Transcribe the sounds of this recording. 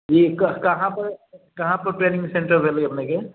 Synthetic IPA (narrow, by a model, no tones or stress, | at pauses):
jekɐkɐɦãpɐɾkɐɦãpɐɾʈɾeːnɪ̃ŋɡsẽɳʈəɾbʱeːlɡeɐpneke